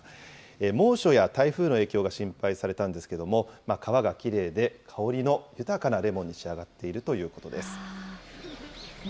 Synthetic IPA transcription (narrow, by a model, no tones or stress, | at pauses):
emo̞ːɕo̞jat̪aiɸɯ̟ːno̞e̞ːkʲo̞ːɡaɕĩmpaisaɾe̞t̪ãnd̪esɨ̥ke̞d̪o̞mo̞makʰaβaɡakʲiɾe̞ːd̪e̞kʰao̞ɾʲino̞jɯ̟t̪akanaɾe̞mõ̞ɲ̟ːiɕiaɡat̪ːe̞iɾɯ̟t̪o̞jɯ̟ːko̞t̪o̞d̪e̞sɨ̥